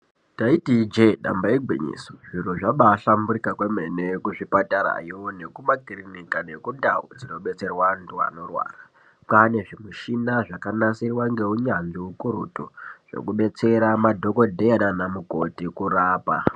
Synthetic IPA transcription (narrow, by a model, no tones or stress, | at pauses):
taitid͡ʒeɗa̰mbaeɡʱwḭɲḭsoʐiɾuʐaɓaːɬambuɾikakwe̞mene̞kuʐipataɾa̰jone̞kumaɡʱirinikane̞kundawṵd͡zino̞ɓe̞t͡se̞rwandua̰no̞rwa̰ːra | pane̞ʐimuʃinaʐakanasirwaŋɡe̞uɲanʐiukuɾṵtuʐ̥e̞̰kuɓe̞t͡se̞ɾamadʱo̞ko̞dʱejananamuko̞tikuraːpa